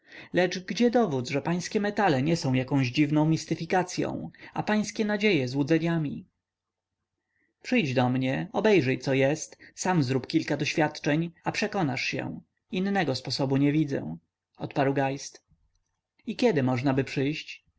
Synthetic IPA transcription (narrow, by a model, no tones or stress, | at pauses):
lɛt͡ʂɡd͡ʑɛd̪ɔvud̪zʐɛpaj̃skʲɛmɛt̪alɛɲɛsɔ̃w̃jakɔ̃w̃ʑd͡ʑivnɔ̃w̃mʲist̪ɘfʲikat̪sʲjɔ̰̃w̃apaj̃skʲɛnad͡ʑejɛzwud̪zɛɲamʲi | pʂɘjd͡ʑd̪ɔmɲɛɔbɛjʐɛjt̪sɔjɛst̪samzɾupkʲilkad̪ɔɕfʲjat̪t͡ʂɛɲapʂɛkɔnaʂɕɛ̰ | inːɛɡɔspɔsɔbuɲɛvʲid̪zɛ̰ | ɔt̪paɾwɡajst̪ | ikʲɛd̪ɘmɔʐnabɘpʂɘjɕt͡ɕ